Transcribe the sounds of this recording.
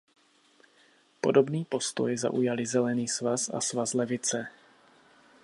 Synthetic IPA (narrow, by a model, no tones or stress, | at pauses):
po̞̰do̞bniːpo̞st̪ojza̰ʔujalɪzɛlɛniːsvasa̰svaslɛvɪt͡sɛ